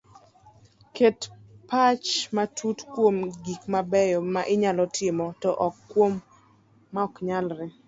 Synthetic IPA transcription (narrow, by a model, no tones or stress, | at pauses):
ket | pat͡ʃmatʰutkwomɡikmabɛjɔmaʔɪɲalɔtʰɪmɔtɔʔɔkːwomː | aɔkɲalɾɪ